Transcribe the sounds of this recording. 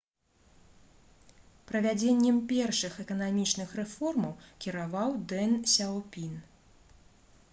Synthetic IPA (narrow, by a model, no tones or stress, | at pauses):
pɾɐvʲad͡zʲenʲːɛmpʲɛrʂɨxɛkɐnamʲit͡ʂnɨxrɛfɔrmɐwkʲiɾavawd̪ɛnsʲawpʲin